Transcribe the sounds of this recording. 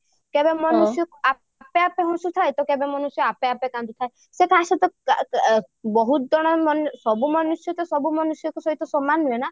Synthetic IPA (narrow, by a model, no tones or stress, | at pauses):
kebemɔnusijɔkua | apeapeɦɔ̃sut̪ʰaet̪ɔkebemɔnusjɔapeapekãnt̪ut̪ʰae | sekʰasɔt̪ɔ | bɔɦut̪d̪ɔɽ̃ɔmɔnsɔbumɔnusjɔt̪ɔsɔbumɔnusjɔkusɔɦit̪ɔsɔmanuena